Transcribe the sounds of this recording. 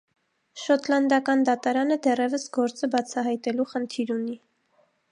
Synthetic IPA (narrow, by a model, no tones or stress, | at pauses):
ʃɔt̪ʰlɑnd̪ɑkɑnd̪ɑt̪ɑɾɑnəd̪ɛrɛvəsɡɔɾt͡səbɑt͡sʰɑɦɑjt̪ɛluχənt̪ʰiɾuni